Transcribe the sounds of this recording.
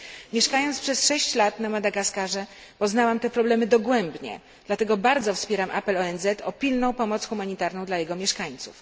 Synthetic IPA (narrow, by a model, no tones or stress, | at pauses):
mʲjɛʂkajɔntspʂɛsʂɛɕt͡ɕlat̪namad̪aɡaskaʐɛpɔznawamt̪ɛpɾɔblɛmɘd̪ɔɡwɛmbɲɛ̰ | d̪̥lat̪ɛɡɔbaɾd̪zɔfspʲjɛɾamʔa̰pɛlɔɛnzɛt̪ʰɔpʲilnɔ̃w̃pɔmɔt̪sxumaɲit̪aɾnɔ̃w̃d̪lajɛɡɔmʲjɛʂkaɲt̪suf